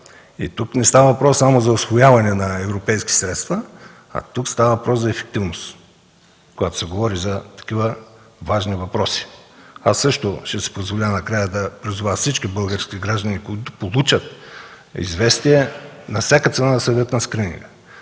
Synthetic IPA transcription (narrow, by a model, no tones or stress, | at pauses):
ḭt̪uknɛst̪avɐvɐpɾɔsːamozɐʊsvojavɐnɛnɐɛvɾopɛjskʲi̥sɾɛt̪st̪vɐ | ɐ̰t̪ukst̪avəvɐpɾɔszɐɛfɛ̥k̚t̪ivnos | kojat̪o̥sɛɡovɔɾizɐt̪ɐ̥kʲivəvaʒnivɐpɾɔsi̥asːɤʃt̪oʃɛsɛ̥pozvolʲanɐkɾajəd̪ɐpɾizuvat̪sit͡ʃkibɤlˠɡəɾskʲiɡɾaʒd̪ənikoit̪ʊpolˠut͡ʃət̪̚ | ḭzvɛst̪iɛnɐfsʲakət̪sɛnad̪ɐsəd̪ət̪nɐskɾinḭɡə